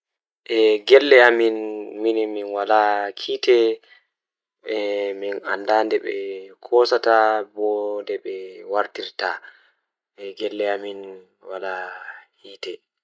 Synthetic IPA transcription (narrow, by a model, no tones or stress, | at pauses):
ʔɛɡɛlːɛaminminiminwalakʰiːtɛ | ɛminandandɛɓɛ̰kʰɔsatabɔndɛɓɛwaɾtiɾta | ʔɛɡɛlːɛamin | walahiːtɛ